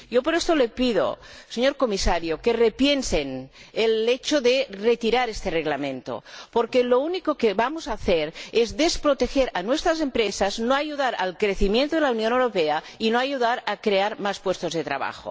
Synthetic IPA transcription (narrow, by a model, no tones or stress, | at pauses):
jopoɾest̪olepiðo̰seɲoɾkomisaɾjokerepjensenelet͡ʃoðeret̪iɾaɾest̪ereɣlamẽnt̪o̰poɾkelounikokeβamozaːθeɾezðespɾot̪exeɾanwest̪ɾazempɾesaznoajuðaɾalkɾeθimjent̪oðelaunjonewɾopea | inoajuðaɾakɾeaɾmaspwest̪ozðet̪ɾa̰βa̰xo̰